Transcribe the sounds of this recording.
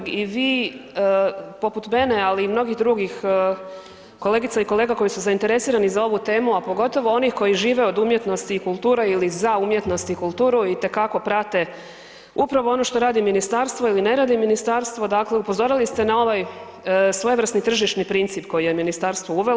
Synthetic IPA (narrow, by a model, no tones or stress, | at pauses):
iʋiː | po̞put̪me̞ne̞aliːmno̞ɡixd̪ɾuɡix | ko̞le̞ːɡit̪aiko̞lˠe̞ːɡako̞jisuzaint̪e̞ɾe̞siːɾanizao̞ʋut̪e̞ːmuapo̞ɡo̞t̪o̞ʋo̞o̞nixko̞jiʒiːʋe̞o̞d̪umje̞t̪no̞st̪iːkulˠt̪uːɾeilizaumje̞t̪no̞st̪iikulˠt̪uːɾuit̪e̞kako̞pɾat̪e̞ | upɾaʋo̞o̞no̞ʃt̪o̞ɾaːd̪iminist̪aːɾst̪ʋoiline̞ɾaːd̪iminist̪aːɾst̪ʋo̞d̪akle̞upozo̞ɾilist̪e̞nao̞ʋaj | sʋojeʋr̩snit̪r̩ʒiʃnipɾint̪siːpko̞jije̞minist̪aɾst̪ʋouʋe